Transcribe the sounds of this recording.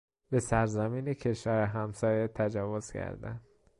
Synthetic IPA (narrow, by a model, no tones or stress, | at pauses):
b̥e̞sæɾzæmiːnecʰe̞ʃvæːɾeɦæmsɒːjet̪ʰæd͡ʒɒːvoz̥cʰæ̰ɾd̪æ̰nd̪̥